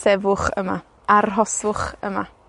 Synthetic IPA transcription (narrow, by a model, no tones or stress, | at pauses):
sɛvʊχə̰ma̰ | arɦɔsʊχə̰ma